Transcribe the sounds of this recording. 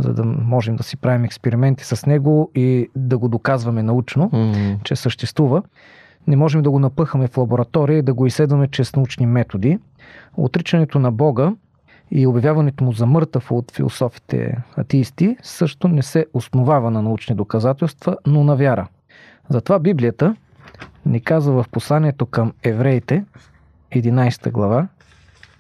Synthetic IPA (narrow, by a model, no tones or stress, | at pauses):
zɐ̰d̪ɐmɔʒɛmd̪ɐsi̥pɾavimɛkspɛɾimɛnt̪i̥sɐsnɛɡoid̪ɐɡod̪okazvɐmɛnɐut͡ʃnot͡ʃɛsəʃt̪ɛst̪vuvə | nɛmɔʒɛmd̪ɐɡonɐpɤxəmɛflˠɐboɾɐt̪ɔɾiəid̪ɐɡoisɛd̪vɐmɛt͡ʃɛsnɐut͡ʃnimɛt̪od̪i | o̰t̪ɾit͡ʃɐnɛt̪onɐbɔɡə | iobjɐvʲjavɐnɛt̪omuzɐmɤɾt̪əfot̪fḭlˠo̰sɔfi̥t̪ʰɛ̰ɐ̰t̪ɛist̪isɤʃt̪onɛsɛosnovavɐnɐnɐut͡ʃnid̪okɐzat̪ɛlˠst̪v̥ənonɐvʲjaɾə̰ | zɐt̪ovabiblijət̪ə | nikazvəvɐfposlˠaniɛt̪okəmɛvɾɛjt̪ɛ | ɛd̪inajst̪ə̰ɡlˠɐva